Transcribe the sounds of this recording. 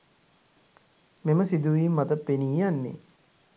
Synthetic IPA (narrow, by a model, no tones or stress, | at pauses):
meməsid̪uʋiːmːɐt̪əpːeniːjanːḛ